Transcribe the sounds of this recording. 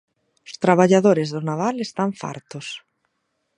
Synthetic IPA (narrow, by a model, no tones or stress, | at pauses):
ʊst̪ɾaβ̞aʎaðoɾɪzðʊnaβalest̪aɱfa̰ɾt̪ʊs